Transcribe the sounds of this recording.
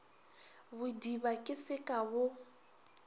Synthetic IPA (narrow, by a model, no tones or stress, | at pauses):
bʊdiβakʼɪsɪkʼabʊ